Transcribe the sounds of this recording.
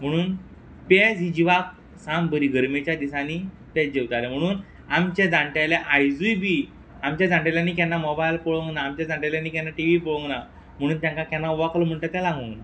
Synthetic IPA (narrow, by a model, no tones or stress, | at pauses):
m̤əɽ̃uːn | ped͡zid͡ʑiʋak̚ | sambəɾiːɡəɾmet͡ɕjad̪isani | ped͡ʑewt̪alem̤əɽ̃uːn | amt͡ɕẽd͡zãɳʈaleʔajd͡zujbi | amt͡ɕjad͡zãɳʈeljanːiːkɛnːamɔbajlpɔɭõŋɡnaːmt͡ɕad͡zãɳʈeljanːiːkɛnːaʈiʋipɔɭɔ̃ŋɡna | m̤əɽ̃uːnt̪jãŋkakanːauʋakləm̤əɳt̪at̪alãŋɡəŋɡna